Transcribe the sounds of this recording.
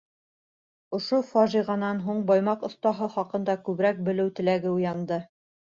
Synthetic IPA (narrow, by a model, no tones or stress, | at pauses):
ŏʃofɑʒiʁɑnɑnɦuɴbɑjmɑqŏθt̪ɑɦɤχɑqɤ̆nd̪ɑkʉβɾæk̚bɘ̆lɘwt̪ɘ̆læɡɘujɑnd̪ɤ